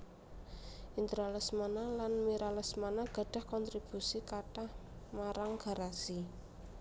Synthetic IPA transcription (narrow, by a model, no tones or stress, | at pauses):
ʔint̪əɾaləsmanalanmiɾaləsmanaɡ̥a̤ɖ̥a̤hkɔnt̪ɾib̥usikaʈahmaɾaŋɡ̥a̤ɾasi